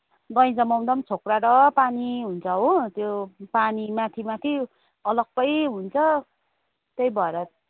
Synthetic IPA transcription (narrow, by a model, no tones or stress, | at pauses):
ɡʌj̃d͡zʌmʌw̃d̪ʌmt͡sʰokraɾʌpaniɦunt͡sʰʌɦot̪jopanimat̪ʰimat̪ʰi | ʌlʌɡ̚pʌjɦunt͡sʰʌ | t̪ejbʱʌeɾʌ